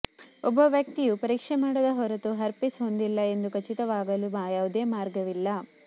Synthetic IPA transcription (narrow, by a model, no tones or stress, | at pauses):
ɔbːɐʋjɐk̚t̪ijupɐɾiːkʂɛmaːɽɐd̪ɐɦɔɾɐt̪uɦɐɾpisɦond̪ilːɐe̞nd̪ukʰɐt͡ʃit̪ɐʋaːɡɐlubaːjaːʋud̪eːmaːɾɡɐʋilːɐ